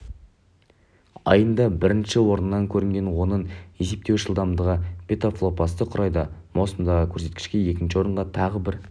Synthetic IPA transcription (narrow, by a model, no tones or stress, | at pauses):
ɑ̰jənd̪ɑbɪɾɪnʃɪwo̞ɾənːɑŋkʲʰɵɾɪŋɡʲe̞nwo̞nəɴe̞se̞p̚t̪e̞wʒəlˠd̪ɑmd̪əʁəpʰʲe̞t̪oflˠo̞pɑst̪əqʰʊɾʔɑjd̪ɑmo̞səmd̪ɑʁəkʲʰɵɾse̞t̪̚kʲɪ̥ʃkʲe̞je̞kʲɪnʃɪwoɾəɴʁɑt̪ʰɑʁəbɪɾ